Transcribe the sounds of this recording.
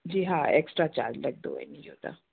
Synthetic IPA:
d͡ʒiːɦãeksʈɾaːt͡ʃa̰ːlɾɐɡ̚d̪o̰ɛ̰niɦoːt̪a̰ː

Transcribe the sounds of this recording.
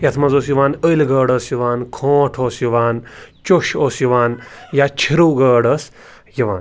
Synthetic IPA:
jɐt̪ʰmɐzoːsjuʋaːnəilɡəːɽɐːsjuʋaːnkʰõːʈʰoːsjuʋaːnt͡ʃoʃoːsjuʋaːnjaːt͡ʃʰiɾuːɡɐːɽɐs | jiʋaːn

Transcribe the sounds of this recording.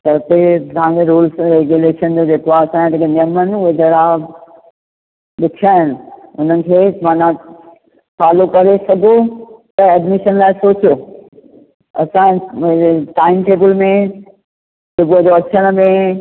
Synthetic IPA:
t̪ɐt̪et̪ɦãeɾuːlsɾeɡuleːʃənd͡ʑod͡ʑeːkoaːɐsãɲt̪ɐkenijəmənɪ̆ʊɦed͡ʑɐɾa | ɗɪkʰaːɦɪnɪ̆ʊn̤ənɪ̆kʰeːmaːnã | faːlokɐɾesɐɡʱot̪ɐɛɖmɪʃənlaːɪsoːt͡ɕijoː | ɐ̰sã | ʈaːɪmʈeːbəlmẽ | sʊbuəd͡ʑoɐt͡ɕʰəɽ̃ə̆mẽ

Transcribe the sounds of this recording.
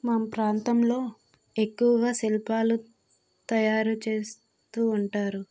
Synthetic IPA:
maːmɐpɾaːnt̪ɐmlo̞ː | e̞kːuʋɐɡaːsilipaːlu | t̪ɐjaːɾut͡ʃe̞ːs | t̪uːɳʈaːɾu

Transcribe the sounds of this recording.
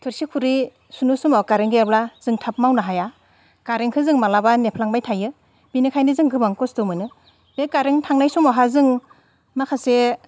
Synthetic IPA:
tʰɯɾsikʰuɾi | sunusumawkaɾeŋɡejablaz̥ɯŋtʰap̚mawnaɦaja | kaɾeŋkʰɯzɯŋmalabanepʰlaŋbajtʰajɯ | b̥inɯkʰajnɯzɯŋɡɯbaŋkɔstɔmɯnɯ | bekaɾeŋtʰaŋnajsumawɦazɯŋ | makʰase

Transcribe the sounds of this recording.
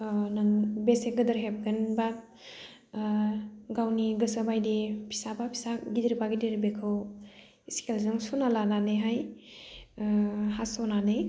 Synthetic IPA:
nɯŋbeseɡɯdəɾɦep̚ɡɯnba | ɡawniɡɯsabajdipʰi̥sabapʰi̥saɡidiɾibaɡidiɾibekʰɯw | iskelzɯŋsunalananɯjɦaj | ɦasɔnanɯj

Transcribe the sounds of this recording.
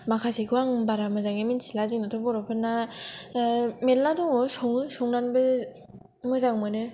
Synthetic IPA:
makʰasiɡɯwaŋbaɾamɯzaŋemint͡ʃʰilazɯŋnɯtʰobɔɾɔpʰɯnːa | melːadɯŋosoŋɯsoŋnanbɯ | mɯzaŋmɯnɯ

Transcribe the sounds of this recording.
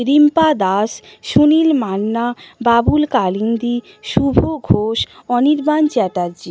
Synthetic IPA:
ɾimpad̪aʃʃunilmanːababulkaliŋd̪i | ʃubʱoɡʱoʃɔniɾbant͡ɕɛʈ̪aɾd͡ʑi

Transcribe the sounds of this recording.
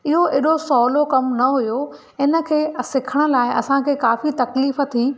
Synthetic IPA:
ɪɦoʔɪɗosɔːlokɐmnɐɦʊjo | ɪnə̆kʰeːsɪkʰəɽ̃ə̆laːɪɐsãkʰeːkaːfit̪ɐkliːfə̆t̪ʰiː

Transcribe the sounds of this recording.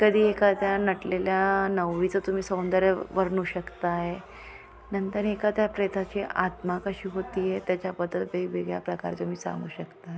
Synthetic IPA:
kəd̪ʱiːekat̪janəʈleljanəwʋit͡səːt̪um̤iːsə̃w̃nd̪əɾəʋəɾɳuːɕəkt̪ae | nənt̪əɾekat̪japɾet̪ʰat͡ɕiʔat̪makəɕiːɦot̪iːjet̪jat͡ɕapəd̪ːət̪beɡbeɡɭja̰pɾəka̰ɾt̪um̤iːsã̰ŋɡuːɕəkt̪ae

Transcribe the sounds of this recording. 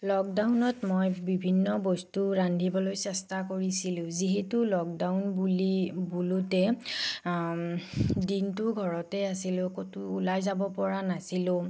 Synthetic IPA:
lɔk̚dawnɔtmojbibʱinːɔbɔstuɹandʱibɔlojsɛstakoɹisilʊ̃ziɦɛtulɔk̚dawnbulibulutɛ | dintʊɡʱɔɹɔtɛasilʊ̃kotuːlajzabɔpɔɹanasilʊ̃

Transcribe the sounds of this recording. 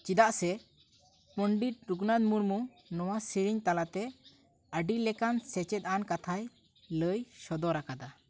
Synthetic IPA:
t͡ʃid̪aʔsɛ | pəɳɖit̪̚ɾuɡnad̪muɾmu | nɔwasiɾiɲt̪alat̪ɛ | əɖilɛkansɛt͡ʃɛt̪̚ankat̪ʰaj | ləjsɔd̪ɔɾakad̪a

